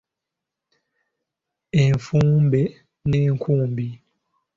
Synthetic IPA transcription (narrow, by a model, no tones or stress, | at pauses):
eɱfumbɛ | nɛŋ̩kʰumbi